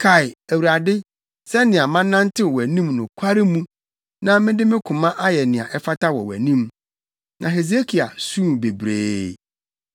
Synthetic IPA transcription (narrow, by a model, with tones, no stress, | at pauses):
kʰa˨ɪ˨æ˨wu˨ɾa˨dɪ˦ | sɛ˦nɪ̃˨a˨mã˦nː˦ã˦n̩˦tʰɪ˦wɔ˨wæ˨nĩ˦mnʊ̃˨kʷʰa˦ɾɪ˦mũ˦ | nã˦mɪ̃˦dɪ˦mɪ̃˦kʰʊ̃˨mã˦ʔa˦jɛ˨nɪ̃˨a̰˨ʔɛ˦fa˦tʰa˦wɔ̰˨wæ̰˨nĩ˦m | nʔã˨ɦe˨z̬e˦kʰi˨a̰˨sũ˦˨be˨bɾḛː˦